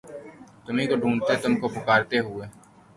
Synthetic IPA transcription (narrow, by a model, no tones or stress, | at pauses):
t̪ʊmĩkoɖʱũːnt̪et̪ʊmkopʊkaːɾt̪eɦʊeː